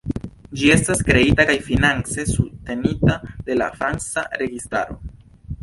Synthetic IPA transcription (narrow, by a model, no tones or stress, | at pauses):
d͡ʒie̞staskɾe̞itakajfinant͡se̞suste̞nitad̥e̞la̰fɾansa̰ɾe̞ɡista̰ɾo̞̰